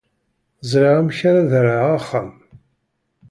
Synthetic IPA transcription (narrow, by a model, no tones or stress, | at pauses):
zˤɾiʁamçaɾaðɾaʁaχːəm